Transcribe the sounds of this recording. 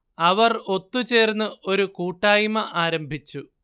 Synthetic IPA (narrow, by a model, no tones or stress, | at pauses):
ɐʋɐro̞t̪ːut͡ɕeːrnːɨʔo̞ɾukuːʈːaːjmɐʔaːɾɐmbʱit͡ɕːu